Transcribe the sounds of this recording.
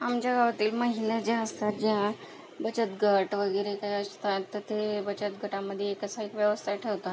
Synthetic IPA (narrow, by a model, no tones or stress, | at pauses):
amt͡ɕjaɡaʋat̪iːlməɦined͡ʑaəst̪at̪̚d͡ʑeɦã | bət͡ɕət̪ɡʱəʈʋəɡəjɾekajəst̪at̪ːəɾt̪ebət͡ɕət̪ɡəʈamːəd̪ʱːjeːkəsaekʋjəʋəst̪ʰaʈʰeʋt̪a